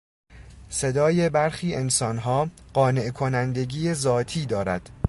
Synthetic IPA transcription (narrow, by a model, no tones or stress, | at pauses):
se̞d̪ɒːje̞bæɾxiːe̞nsɒːnɦɒːɢ̥ɒːne̞ʔkʰo̞nænd̪e̞ɟiːezɒːt̪ʰiːd̪ɒːɾæ̰d̪̥